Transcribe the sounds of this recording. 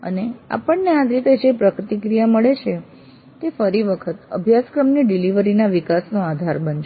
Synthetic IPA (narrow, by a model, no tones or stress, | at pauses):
ə̰nea̰pəɳnead͡ʒɾit̪ed͡ʒepɾəkɾt̪ikɾijaməɭet͡ʃʰe | t̪efəɾiʋəkʰət̪ə̰bʱjaskɾəmniɖiliʋəɾinaʋikasnoad̪ʱaɾbənʃ